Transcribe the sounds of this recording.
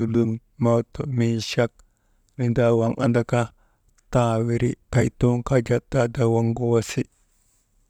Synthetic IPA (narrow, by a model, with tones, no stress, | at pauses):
u˨lu˦ŋ | ma˦to˨mi˨ʃa˦k̚ | ni˨nda˦wa˨ŋʔa̰˨nda˨ka˦ | ta˨wi˨ɾḭ˦ka˨jtu˦ŋka˦d͡ʒa˦t̚da˦da˨wa˦ŋɡo˦wa˦si˦